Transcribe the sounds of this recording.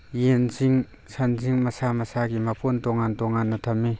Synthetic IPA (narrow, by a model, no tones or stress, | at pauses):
jenziŋ | sanziŋmɐsamɐsaɡimapʰontɔŋantɔŋanːɐt̪ʰɐmːi